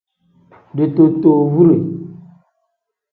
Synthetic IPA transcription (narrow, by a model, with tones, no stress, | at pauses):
de˨to˨to˨vu˦ɾe˨